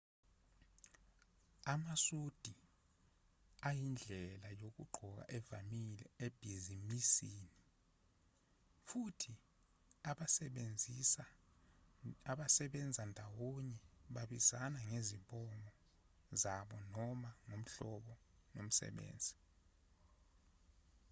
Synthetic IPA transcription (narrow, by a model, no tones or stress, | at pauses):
amasud̥ʱi | ajind͡ɮʱɛlajok̬ṵɡ͡ǃʱɔk̬a̰ʔɛvamilɛ̰eb̥ʱizimisiːni | futʰi | aend͡zʱisa | aɓasɛɓɛnd͡zʱandʱawoɲɛɓaɓizanaŋeziɓʼɔmɔ | zaɓɔnɔmaŋom̩ɬɔɓɔ | nom̩sɛ̰ɓḛːnd͡zʱi